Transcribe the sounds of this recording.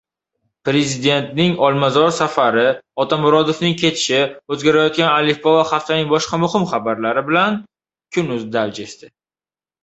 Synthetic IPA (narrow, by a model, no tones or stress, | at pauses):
pɾezɪd̪e̞nt̪nɪŋɒlˠmazɒɾsafaɾɪɒt̪ʰamʊɾɒd̪ofnɪŋkʲʰe̞t̪ʰɪ̥ʃɪɵzɡʲaɾajɒt̪̚kʲanalɪfbɒvaχaft̪anɪŋbɒʃqɑmʊhɪmχabaɾlaɾɪbɪlan | kʲʰʊnʊzd̪ald͡ʒeʃt̪ɪ